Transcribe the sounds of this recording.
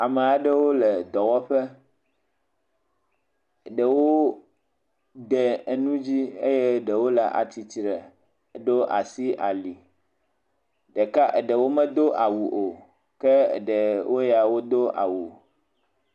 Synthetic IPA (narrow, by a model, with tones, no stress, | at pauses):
a˨mɛ˨a˨ɖə˦wo˦lɛ˨d̪ɔ˨wɔ˦ɸɛ˦˨ | ɖə˨wo˦ | d̪ɛ˨nũ˦d͡ʑi˦ḛ˦je˦˨ɖə˨wo˦la̰˦ʔa̰˨t̪i˨t͡ʃɾə˨ | ɖo˦ʔa̰˨si˦ʔa˨li˨ | ɖɛ˨ka˦ʔe˨ɖə˨wo˦mə̃˦d̪o˦ʔa˨wu˨ʔo˨ | kɛ̰˦˨ɖə˨wo˦ja˨wo˦d̪o˦ʔa̰˨wu˨